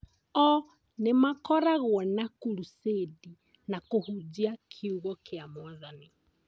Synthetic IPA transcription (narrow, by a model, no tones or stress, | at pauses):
ɔ | nemakɔɾaɣwɔnakulusedi | nakuhud͡ʒiakʰiuɣɔkeamwaðani